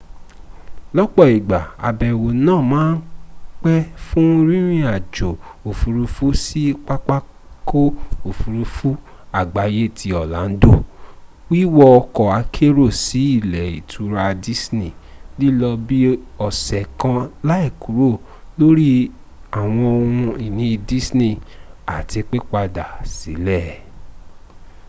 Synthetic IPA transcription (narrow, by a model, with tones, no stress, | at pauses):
lɔ˦k͡pɔ˦˨i˨ɡ͡ba˨a̰˨bɛ˨wo˨nãː˦˨mãː˨˦n̩˦k͡pɛ˦fũ˦ɾĩ˦ɾ̃ĩ˦˨a˨d͡ʒo˨o˨fu˨ɾu˧fu˦si˦k͡pa˦k͡pa˦ | ko˦o˨fu˨ɾu˧fu˦ | a˦˨ɡ͡ba˨je˦˨tʰi˧˦ɔ˨la̰˨˦n̩˦do˦˨ | wi˦wɔ˧kɔ˨a˨˧kʰe˦ɾo˦˨si˨˦i˦˨lɛ˨ḭ˨tʰu˨˦ɾa˧di˦snĩ˦˨li˦lɔ˧bi˦ɔ˨sɛ˨kã˧la˦i˦˨ku˨˦ɾo˦˨ | lo˦ɾi˦ | a˦˨w̃ɔ̃˧o˧hũ˧i˨nĩ˨˦˧di˦snĩ˦˨a˨ti˧k͡pe˦k͡pa˧da˨si˨˦lɛ˦˨